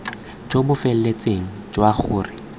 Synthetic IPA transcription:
d͡ʒobʊfɛl̩let͡sʼeŋ̩d͡ʒwaχʊːrɪ

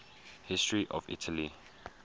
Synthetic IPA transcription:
hɪstɹiʔɔvḭtʰəli

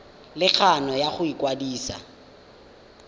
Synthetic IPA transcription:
lɪk͡xʰanɔjaχʊikwadiːsa̰

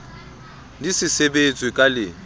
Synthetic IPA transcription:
disɪsebet͡sʼwikʼalɪ

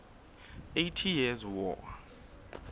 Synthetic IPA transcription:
ejtʰijɛzwɔ̰

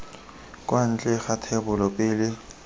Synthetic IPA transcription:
kʼwan̩t͡ɬʼɛxatʰɛbʊlɔpʼɪːlɪ

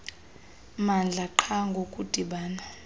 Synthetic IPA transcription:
mand͡ɮʱaǃʰaŋɡʱokʼud̥ʱiɓaːna

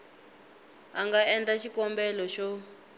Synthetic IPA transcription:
aŋɡaɛntaʃikɔmbɛlɔʃɔ

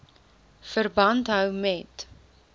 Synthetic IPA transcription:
fərbɐntɦœwmɛt

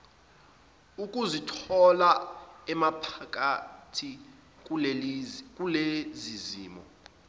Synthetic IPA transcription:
ukʼuzitʰɔlaɛmapʰak̬ʼatʰi | k̬ʼ | k̬ʼuleziziːmɔ̰

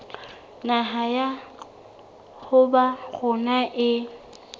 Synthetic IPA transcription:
naɦaja | χʊbaɣʊnaʔɪ

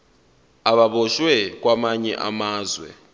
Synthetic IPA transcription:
aβaβɔʃwɛk̬ʼwamaɲɛ̰ʔa̰maːzwɛ̰

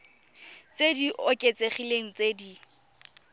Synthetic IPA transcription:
t͡sediʔɔkʼet͡sʼeχileŋ̩t͡sʼedi

